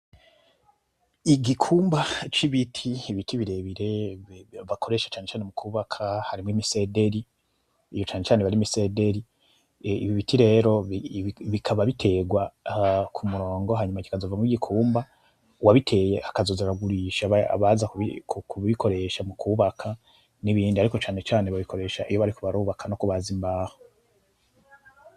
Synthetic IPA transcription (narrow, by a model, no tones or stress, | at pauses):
iɡikʰuːmbat͡ʃiβitʰiːβitʰiβiɾe̞βiɾe̞ | vakʰo̞ɾe̞ʃḁt͡ʃaːnet͡ʃaːne̞mukʰuːβakʰahaɾimŋimise̞de̞ɾi | ijot͡ʃaːnet͡ʃaːneβaɾimise̞de̞ɾi | iβiβitʰiɾe̞ːɾo̞ | βikʰaβaβitʰe̞ɡwakʰumuɾo̞ːŋɡoɦaɲumaci̥kazovamŋiɡikʰuːmba | waβitʰe̞ːje̞hakazo̞zeɾaɡuɾiʃaβa̰βazakḭkukuβikʰo̞ɾe̞ʃamukʰuːβakʰa | niβiːndiaɾiko̞t͡ʃaːne̞t͡ʃaːneβaβiko̞ɾe̞ʃaʔijo̞βaɾikuβaɾuβakʰano̞kuβazimbaːho